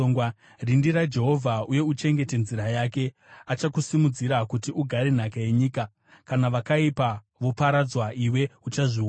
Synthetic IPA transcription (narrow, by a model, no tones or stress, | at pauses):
oŋwa | rindiɾad͡ʒe̞ɦo̞vʱauje̞ut͡ʃe̞ŋɡe̞te̞nziɾajaːke̞ | at͡ʃakusimud͡ziɾakutiʔuɡʱaɾen̤akaje̞ɲiːka | kanaʋakaipa | ʋopaɾad͡zwaʔiwe̞ut͡ʃaʐi